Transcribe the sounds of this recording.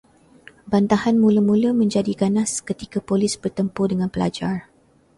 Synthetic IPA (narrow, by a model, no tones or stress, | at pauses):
bant̪ahanmũləmũləmə̃ɲd͡ʒadiɡanaskət̪ikapolisbərt̪əmpʊrdəŋãnpəla̰d͡ʒar